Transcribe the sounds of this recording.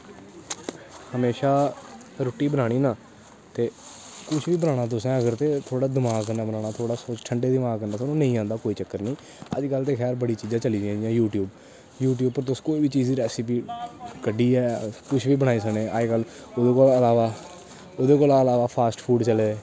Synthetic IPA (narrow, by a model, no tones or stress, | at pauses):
həmeːʃaː | ɾʊʈiːbənãːɽ̃iːnaː | t̪eːkʊt͡ʃʰʋiːbənaːɽ̃aːt̪̬ʊsɛ̃ːəɡəɾt̪eːt̪ʰoːɽaːd̪ɪmaːɡkːənaːbənaːɽ̃aːt̪ʰoːɽaːsoːt͡ʃʈʰəɳɖeːd̪ɪmaːɡkəndaːt̪onõːnə̃ĩːãːnd̪aːkoːiːt͡ʃəkːəɾnĩː | ə̰d͡ʒkəlt̪eːxʰɛːɾbəɽiːt͡ʃiːd͡ʒãːt͡ʃəliːd͡ʒɪãːd͡ʒãːjuːʈjuːb | juːʈ̬juːb̚pəɾt̪̬ʊskoːiːbiːt͡ʃiːziːɾɛːsiːpiːkəɖiːɛːkʊt͡ʃʰʋiːbəɽ̃aːiːs̬əkɽẽːʔaːekəloːd̪eːkoːləlaːʋaː | oːd̪eːkoːlːəlaːʋaːpʰaːsʈpʰuːɖt͡ʃəleː